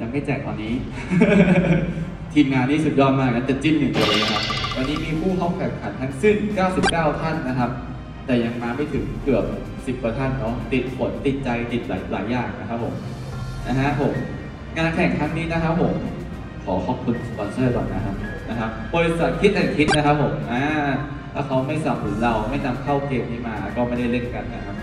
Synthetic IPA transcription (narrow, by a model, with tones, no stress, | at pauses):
ja˧ŋma˥˩jt͡ɕɛː˨˩k̚t̪ɔː˧nːiː˦˥ | t̪ʰiː˧mŋaː˧nːiː˥˩su˨˩t̪̚jɔː˧nmaː˧˩˨na˦˥nt͡ɕ̪ɛ˨˩t͡ɕi˥˩njɯ˨˩lɤː˧lɤː˧jna˦kʰa˦˥wa˧nːiː˦˥miː˧pʰuː˥˩pʰɔ˧˩kʰɛ˨˩˦ŋkʰa˨˩˦nt̪ʰa˦˥ŋsɯ˥˩nkaː˥˩wsi˨˩p̚kaː˥˩wt̪ʰa˥˩nːa˦˥kʰa˦˥p̚ | t̪ɛː˨˩ja˧ŋmaː˧ma˥˩jt̪ʰɯ˩˦ŋkɯ˨˩əp̚ | si˨˩pkɤ˧t̪ʰa˥˩nnɔ˦˧˥t̪i˨˩t̪̚pʰo˨˩˦nt̪i˨˩t̪̚t͡ɕa˧jt̪i˨˩t̪̚la̰ː˩˦jla̰ː˩˦jːaː˨˩ŋna˦˥kʰa˦˥pʰo̰˩˦m | na˧˥ka˦˥pʰːo˨˩˦m | ŋa˧nkʰɛ˨˦ŋk̪ʰa˦˥ŋniː˦˥na˦˥kʰa˦˥pʰːo˩˦m | kʰɔː˩˦kʰɔː˧˩kʰu˧n˨pɔː˧nsɤː˥˩kɔ˨˧˩na˦˥kʰa˦˥p̚ | na˦˥kʰa˦˥p̚bɔː˧ɾi˧˥sa˨˩t̪̚kʰi˦t̪ʔɛː˨˩kʰi˦˥t̪̚na˦˥kʰa˦˥pʰːo˨˩˦mʔaː˧˩ | t̪ʰaː˥˩kʰa˦˥wma˥˩jsa˨˩p̚tʰɯ˩˦ŋɾa˧wma˥˩jna˧mkʰa˥˩wkeː˧mkʰa˥˩maː˧ʔa̰˧˩kɔː˥˩ma˥˩jda˥˩jle˥˩nka˧nːa˦˥kʰa˦˥p̚